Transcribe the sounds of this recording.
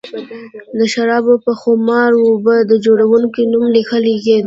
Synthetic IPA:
d̪əʃaɾɑbopəxomɑɾwobəd̪əd͡ʒoɽawuŋkinumlixaliɡe

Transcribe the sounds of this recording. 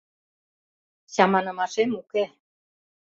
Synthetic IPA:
ɕɑmɑnɤ̆mɑʃemuke

